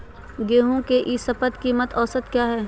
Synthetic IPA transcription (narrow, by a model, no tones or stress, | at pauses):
ɡeːɦõkeʔisɐpət̪kiːmət̪ɔːsət̪kjaːɦɛː